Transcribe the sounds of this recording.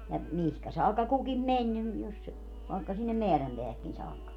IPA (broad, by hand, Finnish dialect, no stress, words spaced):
jɑ mihkæ sɑːkːɑ kukim menʲ nim jos si ʋɑˑekːɑ sinːem meæræmpeæhækːin sɑːkːɑ